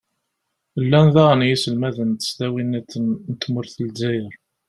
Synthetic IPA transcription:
lːænðæʁnjisəlmæðənt̪ə̥st̪æwinæt͡sːənnət̪ːmʊɾθəlzæjəɾ

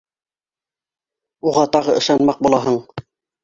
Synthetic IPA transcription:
uʁɑt̪ɑʁɤʔɤ̆ʃɑnmɑq̚bulˠɑɦɤɴ

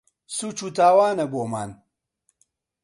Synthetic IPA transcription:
suːt͡ʃut̪aːwaːnɐboːmaːn

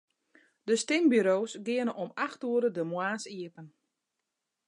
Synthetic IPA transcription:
dəstɪmbyɾoːsɡɪənəʔɔmaxtuəɾədəmwaːsiəpən

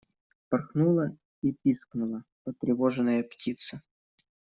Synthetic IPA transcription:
pɐrxnulˠə | ipʲisknʊlˠəpət̪ɾʲɪvoʐɨnəjəptʲit̪sə

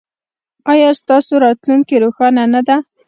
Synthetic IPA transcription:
ɑjɑst̪ɑsoɾɑt̪lunkeɾoxɑnanad̪a

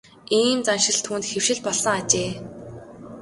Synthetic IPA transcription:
iːmt͡sanʃɪ̆ɮt̪ʰuːnt̪xew̥ʃɪ̆ɮpɔɮsə̆ŋat͡ɕeː

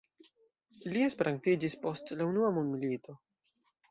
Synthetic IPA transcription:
lie̞speɾaŋtid͡ʒispo̞stlaunuamundmilito̞

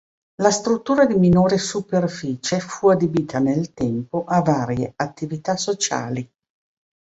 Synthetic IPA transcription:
last̪ɾut̪ːuːɾad̪iminoːɾesuperfiːt͡ʃefuad̪ebiːt̪anelt̪ɛmpoʔavaːɾjeat̪ːivit̪asot͡ʃa̰ːli

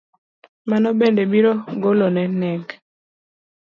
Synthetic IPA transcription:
manɔbendebiɾɔɡolonɛnɛɡ

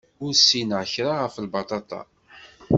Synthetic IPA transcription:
ʊɾsinʁçɾˤaʁəfəlbɑt̪ˤɑt̪ˤɑ̰

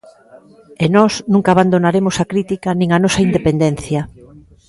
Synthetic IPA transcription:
enɔsnũŋkaːβand̪onaɾemosakɾit̪ikɐnĩŋɐnɔsɐind̪epend̪en̟θjɐ

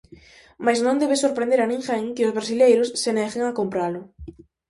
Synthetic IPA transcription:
majznõnd̪eβesoɾpɾẽnd̪eɾanĩŋxeŋkɪozβɾasilejɾʊsːeneɣeŋakompɾalʊ

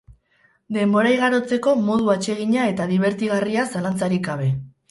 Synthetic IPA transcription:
d̪e̞mbo̞ɾajɣ̞aɾo̞t͡se̞ko̞mo̞ð̞uat͡ʃe̞ɣ̞iɲae̞t̪aðiβ̞e̞ɾt̪iɣariasalant͡saɾikɡaβ̞e̞

